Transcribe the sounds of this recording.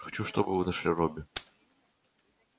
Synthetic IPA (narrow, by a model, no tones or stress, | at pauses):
xɐ̥t͡ɕuʂt̪obɨvɨnɐʂlʲirobʲɪ